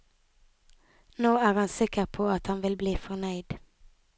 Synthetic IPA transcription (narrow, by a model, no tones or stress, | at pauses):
noːæɾhansɪkːəɾpʰɔat̪hanvɪlbliːfœɳœjd̪